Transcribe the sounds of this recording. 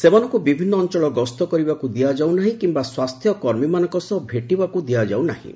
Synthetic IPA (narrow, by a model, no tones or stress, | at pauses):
semanɔŋkubibʱinːɔːnt͡ʃɔɭɔɡɔst̪ɔkɔɾibakud̪iad͡ʒawnaɦĩkimbaswast̪ʰjɔkɔɾmimanɔŋkɔsɔbʱeʈibakud̪iad͡ʒawnaɦḭ̃